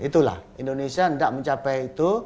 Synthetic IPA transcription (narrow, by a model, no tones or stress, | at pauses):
it̪ula̰hindonesiandaʔmə̃ɲt͡ʃapɛjit̪u